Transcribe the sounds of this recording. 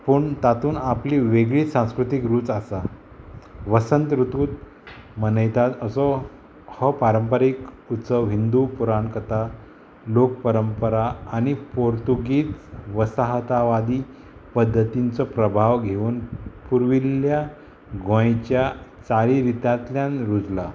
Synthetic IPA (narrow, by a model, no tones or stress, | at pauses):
puːɳt̪at̪uːnapliʋeɡɭiːsãw̃skɾut̪ikɾuːt͡sasa | ʋəsənt̪ɾut̪uːt̪ | mənəjt̪at̪əsɔ | hɔpaɾəmpəɾik | ut̪səɦind̪upuɾaɳkət̪a | lok̚pəɾəmpəɾaːñipoɾt̪uɡiːt͡sʋəsaɦt̪aʋad̪iː | pəd̪ʱːət̪int͡sɔpɾəbʱaʋɡʱeʋuːnpuɾʋilja | ɡõjt͡ɕjat͡saɾiɾit̪jãt̪ljãnɾud͡zla